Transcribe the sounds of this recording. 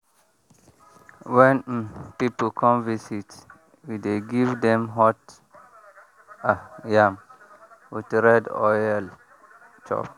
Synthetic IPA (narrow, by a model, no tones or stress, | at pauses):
wɛ̃npiplkʰɔ̃mvisit | wideɡivdɛ̃mɦɔt | ajam | witɾɛdɔ̰jɛl | t͡ʃɔ̰p